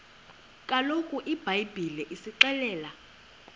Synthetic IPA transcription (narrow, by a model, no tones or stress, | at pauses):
kʼalokʼuʔib̥ʱajbʱilɛʔisiǃɛlɛːla